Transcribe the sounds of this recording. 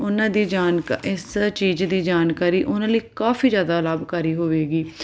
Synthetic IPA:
ʊnãːd̪iːd͡ʒaːnkɪst͡ʃiːd͡ʒd̪iːd͡ʒaːnkaːɾiːʔʊnãːləiːkaːfiːzjaːd̪aːləbkəɾiːɦoːʋeːɡiː

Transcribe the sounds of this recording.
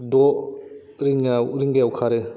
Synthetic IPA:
dɔ | ɾiŋawɾiŋɡeawkʰaɾe

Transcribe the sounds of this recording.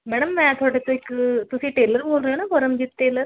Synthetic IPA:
mɛːɽəmːɛ̃ːt̪ʰoːɽet̪õɪkt̪ʊsĩːʈeːləɾboːlɾəɦoːnabəɾəmd͡ʒiːt̪̚ʈeːləɾ

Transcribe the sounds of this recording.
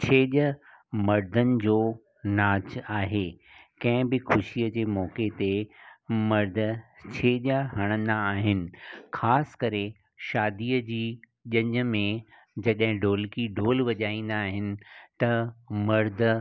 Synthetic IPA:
t͡ɕʰeːʄə | mɐɾd̪ʱənɪ̆d͡ʑoː | naːt͡ɕaːɦeː | kɐ̃ɦɪ̃bɪxʊʃiəd͡ʑeːmɔːket̪e | mɐɾd̪ʱt͡ɕʰeːʄaɦɐɽ̃ə̃nd̪aːɦɪnɪ̆xaːskɐɾe | ʃaːd̪iːəd͡ʑiː | ʄɐ̃ɲə̆mẽ | d͡ʑɐɗɦɪ̃ɖoːlkiɖoːlʋɐʄaːĩːn̆d̪aːɦɪnɪ̆t̪ɐmɐɾd̪ʱ

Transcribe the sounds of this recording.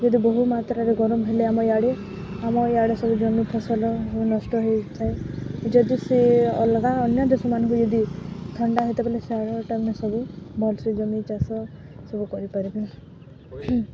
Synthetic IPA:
d͡ʒɔd̪ibɔɦumat̪ɾaɾeɡɔɾɔmɦeleamɔjaɽe | amɔjaɽesɔbud͡ʒɔmipʰɔsɔlɔɦnɔsʈɔɦɔjt̪ʰajd͡ʒɔd̪iseɔ̰lɡaɔnjad͡ʒɔsɔmanɔ̃ŋkud͡ʒɔd̪it̪ʰɔɳɖaɦet̪ebeleseaɽɔʈamnesɔbubʱɔlsɔd͡ʒɔmit͡ʃasɔ | sɔbukɔɾipaɾipla

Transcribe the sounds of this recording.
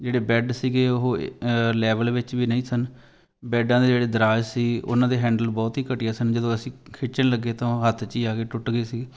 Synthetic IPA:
d͡ʒeːɽeːbɛːɖsiːɡeːʊɦoːlɛːʋəlʋɪt͡ʃʋiːnəĩːsən | bɛːɖãːd̪eːd͡ʒeːɽeːd̪əɾaːd͡ʒsiːʊ̰nãːd̪eːɦɛ̃ːɳɖəlbɔːt̪ɦiːkəʈeːaːsənd͡ʒəd̪õːəsĩːkʰɪt͡ʃənləɡːeːt̪ãːɦət̪ʰt͡ʃiːaːkeːʈʊʈɡeːsiː

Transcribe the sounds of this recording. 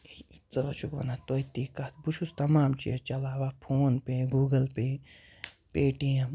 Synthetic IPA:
t͡sɔt͡ʃukʋɐ̰nat̪ɔjt̪ikat̪but͡ʃʰust̪ɐmaːmt͡ʃḭt͡ʃɐlaːwapʰoːnpeɡuːɡɐlpe | peːʈĩ

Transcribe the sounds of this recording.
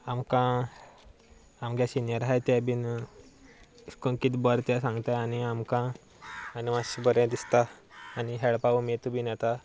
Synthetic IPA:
amkã | amɡjasinjəɾɦajt̪jabin | skonkit̪bɔɾt̪jasãŋɡt̪ajaniamkãː | nimaɕibəɾẽd̪ist̪aː | niɦɛɭpaumit̪ubʱiːnɛt̪a

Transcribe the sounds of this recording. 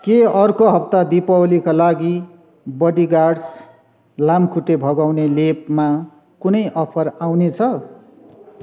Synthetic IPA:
keʌrkoɦʌp̚t̪ad̪ipʌwlikalaɡi | bʌɽiɡaɽs | lamkʰuʈːebʱʌɡawnelep̚ma | kunʌjʔʌpʰʌrawnet͡sʰʌ

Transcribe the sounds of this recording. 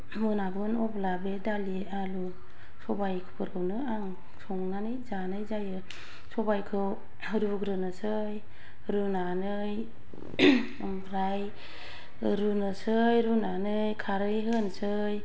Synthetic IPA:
mɯnabɯnɔblabedali | alu | sɔbajkʰɯ̥pʰɯɾɡɯwnɯaŋ | sɔŋnanɯjzanɯjzajɯ | sɔbajkʰɯw | ɾuɡɾɯnɯsɯ | j | ɾunanɯ | j | bɾaj | ɾunɯsɯjɾunanɯjkʰaɾɯjɦɯnsɯ | j

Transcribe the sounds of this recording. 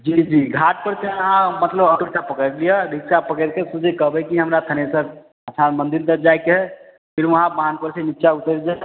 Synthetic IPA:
d͡ʒiːd͡ʒiːɡʱaːʈ̚pəɾt̪eãmət̪ləbəkəɽt̪apəkəɾlijaɾɪksapəkəɾkesud͡ʒʱekəbekiɦɐmɾat̪ʰənesəɾ | əsʰanmə̃nd̪ɪɾd̪əɾd͡ʒaːekeɦɛ | pʰɪɾʋɐɦãbaɦanpəɾsenɪtːʃaʊt̪əɾd͡ʒa

